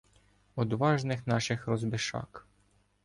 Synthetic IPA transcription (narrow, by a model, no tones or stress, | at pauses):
ɔd̪ʋɑʒnɪxnɑʃɪxɾɔzbɪʃɑ̰k